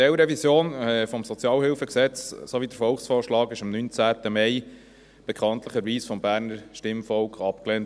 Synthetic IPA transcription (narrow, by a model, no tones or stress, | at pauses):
ɛlɾɛvisjoːnɛfɔmsɔt͡sjɑːlhɪlfəksɛt͡ssoʋidəɾfɔlksfoːʃlɑːkɪʃɑmnynt͡sæːtəmɛɪ | b̥ɛkʰɑnt̪ləχəɾʋiːsfɔmbæːɾnəɾʃtɪmfɔlkχɑpkleːn